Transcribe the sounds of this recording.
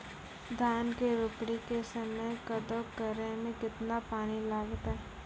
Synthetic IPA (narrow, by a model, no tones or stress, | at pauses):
d̪ʱaːnkeɾʊkɽikesəməjkəd̪əwkəɾemẽkɪt̪napaːnilaːɡt̪ɦɛ